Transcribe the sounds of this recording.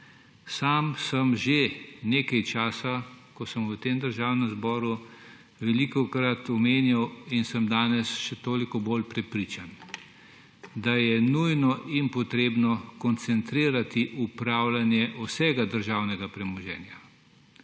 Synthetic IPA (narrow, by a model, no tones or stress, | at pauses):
saːmsəmʒeneːkajt͡ʃaːsakɔsəmwət̪eːmd̪əɾʒaːwnɛmzbɔːɾu | ʋɛlikɔkɾat̪ɔmeːnjawinsəmd̪aːnɛsʃɛt̪oːlikɔboːlpɾɛpɾiːt͡ʃan | d̪ajɛnujnɔʔinpɔt̪ɾeːbnɔkɔnt̪sɛnt̪ɾiːɾat̪iʔupɾaːwlanjɛʔɔsɛːɡad̪əɾʒawnɛɡapɾɛmɔʒɛ̰ːnja